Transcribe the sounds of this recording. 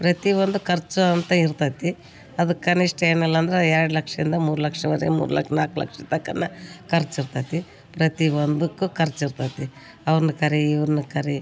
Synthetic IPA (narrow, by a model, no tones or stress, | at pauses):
pɾɐt̪iʋond̪ukɐɾt͡ʃːuɐnt̪ɐiɾt̪at̪i | ɐd̪ukːɐniʂʈeːnɐlːɐːnd̪ɐɾeeːɽɐlɐkʂɐɾind̪ɐmuːɾulɐkʂɐʋɐɾḛɡmṵːɾṵlɐ̰kʂɐnaːkulɐ̰kʂɐt̪ɐkːɐnːɐkɐɾt͡ʃːiɾt̪aːt̪i | pɾɐt̪iʋond̪ukːukʰɐɾt͡ʃiɾt̪aːt̪i | ɐʋɐɾnukɐɾiːʋɐɾnukɐɾi